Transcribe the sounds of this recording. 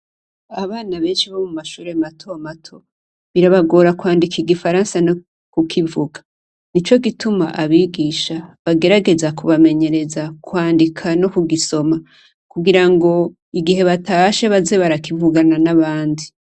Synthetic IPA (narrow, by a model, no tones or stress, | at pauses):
aβaːnaβe̞ːnʃiβomumaʃuːɾematʰoamatʰo̞ | βiɾaβaɡo̞ːɾakwaːndikiɡifaɾaːnsano | kukʰivuɡḁ | nit͡ʃo̞ɡituma̰ʔaβiːɡiʃaβaɡe̞ɾaɡe̞zakuβame̞ɲe̞ɾe̞zakwaːndikʰano̞kuɡiso̞ma | kuɡiɾaŋɡo̞ | iɡihe̞βataʃeβaze̞βaɾakivuɡananaβaːndi